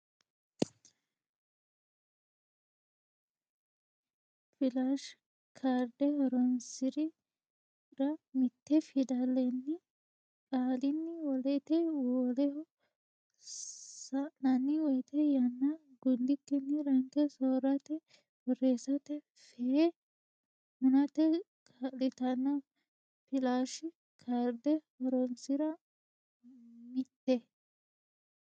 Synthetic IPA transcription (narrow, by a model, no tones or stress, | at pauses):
fɪlaʃ | kʰaɾd̪ɛhɔɾɔnsɪɾɪ | ɾɐmɪt̪ːɛfɪd̪ɐlːɛnːɪ | kʼaːlɪnːɪwɔlɛt̪ɛwɔlɛ | sɐnɐnːɪwɔjt̪ɛjɐnːɐ | ɡʊnd̪ɪkːɪnːɪɾɐŋkɛsoːɾɐt̪ɛ | wɔreːsɐt̪ɛ | fɛ | mʊnɐt̪ɛ | kʼalɪt̪ɐnːɐ | fɪlaːʃɪ | kʰaɾd̪ɛhɔɾɔmsɪɾɐ | mɪt̪ːɛ